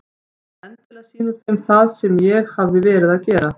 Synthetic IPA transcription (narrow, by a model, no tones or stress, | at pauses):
ɛnt̪ɪlasiːnʏɾ̥θɪmθaðsɛmjɛɣhavðɪvɛːɾɪðaðcɛːɾa